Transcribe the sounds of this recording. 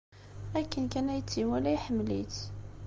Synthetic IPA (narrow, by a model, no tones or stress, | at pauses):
ækːənkænæjət͡sːiwælæiħəmːlit